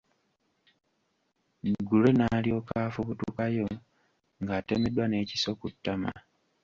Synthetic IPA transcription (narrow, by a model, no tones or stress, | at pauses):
ɡule̞nalio̞ːkaːfuβutukajo̞ | ŋɡaːteme̞dwane̞ːci̥so̞kutːama̰